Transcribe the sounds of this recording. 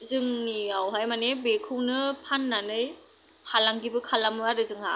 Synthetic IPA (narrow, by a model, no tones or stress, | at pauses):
zɯŋniawɦajmanebekʰɯwnɯpʰanːanɯj | kʰalaŋɡibɯkʰalamɯaɾɯzɯŋha̰